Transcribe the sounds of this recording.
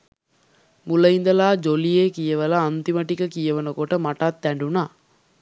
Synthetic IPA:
muləind̪əlaːd͡ʒolijeːkijəʋəlaːnt̪iməʈikəkijəʋənəkoʈəmaʈat̪ːæɳɖunaː

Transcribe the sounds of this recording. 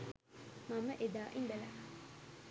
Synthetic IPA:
maməʔed̪aːʔimbela

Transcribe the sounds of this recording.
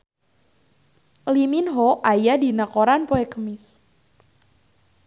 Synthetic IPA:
liminɦoʔajadi̤nakoɾanpoekəmɪs

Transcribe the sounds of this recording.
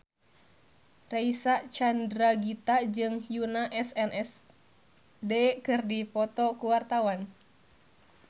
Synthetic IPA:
raisaʔt͡ʃandɾaɡit̪ad͡ʒɨŋhjunaʔɛsɛnʔɛs | dɛkɨrdipɔt̪ɔkuwart̪awan

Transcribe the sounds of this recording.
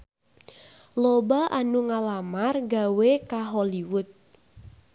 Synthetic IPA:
lobaʔanuŋalamarɡa̤wekaɦoliwʊt̪̚

